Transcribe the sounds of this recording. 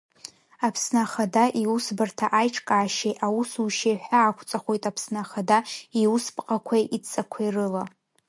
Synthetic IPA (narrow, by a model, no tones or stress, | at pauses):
apʰsnaχadaʔiwusbɨrtʰaʔajʈ͡ʂʰʼkʼaːʃejʔawusuʃeħʷᶣaːkʷʰt͡sʼaχʷo̞jtʼapʰsnaχadaiwuspʼqʼakʷʰajʔit͡sʼakʷʰairɨla